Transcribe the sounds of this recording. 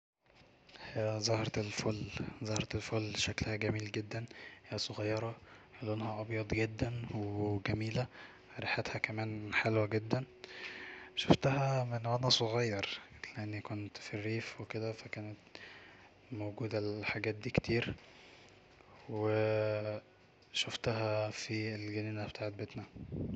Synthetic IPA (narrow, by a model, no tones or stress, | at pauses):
heæzˤɑhɾˤɑelfolzˤɑhɾˤɑt̪elfolːʃæklhæɡæmiːlɡed̪ːænhejæsˤoɣɑjːɑɾˤɑʔælːonhæʔɑbjɑd̪ˤɡed̪ːænweɡæmiːlæ | ɾˤiħet̪hækæmæːnħalwæɡed̪ːæn | ʃoft̪æhæmenwædæsˤoɣɑjːɑɾˤleʔenːikont̪firːiːfweked̪æfækæːnet̪ | mowɡuːd̪ælħaɡæːt̪̚d̪iːkt̪ʰiːɾ | we | ʃoft̪æɦæfielɡæniːnæbet̪aːʕet̪̚bet̪næ